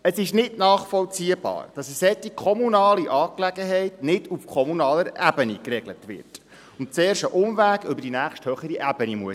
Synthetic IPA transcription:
əsɪʃnɪtnɑːχfɔlt͡siːəb̥ɑ̰ːɾd̥ɑsəsɛtːikʰɔmunɑːliʔɑːklɛɡəɦɛɪtnɪdufkʰɔmunɑːləɾæbənikrɛɡlətʋɪ̰rt | ʊnt̚t͡seːɾʃəʔʊmʋæːɡʏbəɾd̥inæːχʃthœχəɾiʔæb̥ənimuə

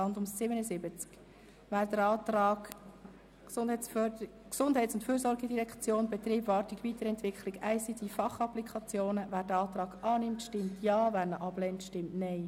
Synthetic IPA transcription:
ɑndʊmssɪbənəzɪbət͡sk | væːɾdəɑːtɾɑːɡ̥ | sʊndɛt͡sfœksʊndɦɛɪt͡sʊntføːɾsɔɾɡɛdiɾɛkt͡sjoːnbɛt̪ɾiːbvɑːɾtiɡvitəɾɛntvɪkχliɡæɪsid̥ifɑχɑplikʰɑt͡sjoːnəvæːɾdəɑːt̪ɾɑːɡɑːnɪmtʃtɪmtʰjɑːvæːɾnəʔɑb̥lɛntʃtɪmtnɛɪ

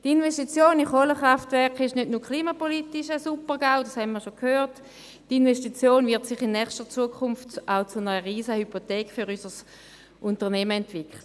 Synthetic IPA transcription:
tinvesʃtit͡sjoːniχoləχʁaftvɛɐkχɪʃnødnuːɐkʰliːmapolitiʃəsupəʁɡ̥aʊdɑshɛnmiːɐʃokʰhøːʁt | tinveʃtit͡sjoːnvɪɐtsɪχɪnːɛχstət͡suəkʰʊnftʔaʊt͡sunəʁəʁiːsəhypotɛːkfyʁysəs | ʔʊntəʁnɛməɛntvikʰχlə

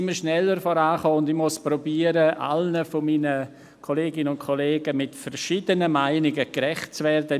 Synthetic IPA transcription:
ɪmːəʃnɛlːəɾfɔɾaːχɔːʊndɪmʊspɾɔbiːəɾəʔa̰lnəfɔmiːnə | kʰoleːɡɪnənʊntkʰɔleːɡəmɪtfɛɾʃiːdənəmaɪnɪɡəɡɾɛχt̚t͡svɛrdə

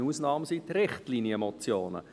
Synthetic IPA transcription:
uːsnɑːmsit̪ɾɪχtlinjəmɔt͡sjoːnə̰

